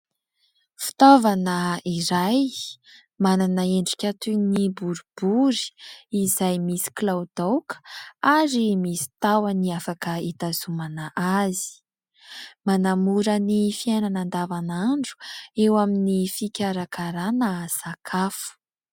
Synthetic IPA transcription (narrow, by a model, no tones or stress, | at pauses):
fi̥t̪ovanəiɾaj | mananaeɳɖ͡ʐi̥kʲat̪unibuɾub̥uɾi̥izajmisi̥klawd̪awkə̥aɾimisi̥t̪awəniafakəit̪azumanaʔazi̥ | manamuɾənifiajnanand̪avanaɳɖ͡ʐu̥ewaminifikʲaɾakaɾanəsakʰafu̥